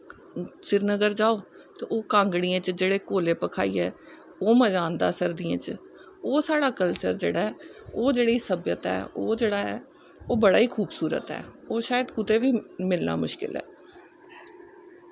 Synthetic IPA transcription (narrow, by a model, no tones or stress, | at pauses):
sɪɾnəɡəɾd͡ʒaːoː | t̪eːoːkãːŋɡɽiːãːt͡ʃd͡ʒeːɽeːkoːleːpəkʰaːiːɛː | oːməd͡ʒaːnd̪a̰ːsəɾd̪iã̰ːt͡ʃ | oːsaːɽaːkəlt͡ʃə̰ɾd͡ʒḛːɽaːɛoːd͡ʒeːɽiːsəbjət̪ɛ̰ːoːd͡ʒeːɽaːɦɛ̰ː | oːbəɽa̰ːiːkʰuːbsuːɾə̰t̪ɦɛ̰ːoːʃaːjəd̪kʊt̪eːʋiːmɪlna̰ːmʊʃkɪ̰lɦɛ̰ː